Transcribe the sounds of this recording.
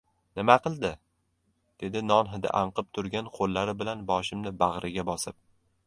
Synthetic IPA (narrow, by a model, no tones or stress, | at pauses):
nɪmaqʰɨlˠd̪ɪ | d̪̥e̞d̪ɪnɒnɦɪd̪a̰ʔaɴqɨp̚t̪ʰʊɾɡʲanqʰolːaɾɪbɪlanbɒʃɪmnɪbaʁɾʔɪɡʲabɒsɪp̚